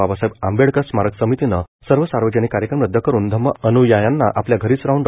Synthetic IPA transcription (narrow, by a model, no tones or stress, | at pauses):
abasajbambeɽkəsmaɾəksəmit̪inəsəɾʋəsaɾʋəd͡ʑənikːaɾjəkɾəmɾəd̪ʱːəkəɾuːnd̪ʱəmːəʔənujajanːaʔapljaɡʱəɾiːt͡sɾaɦuɳɖ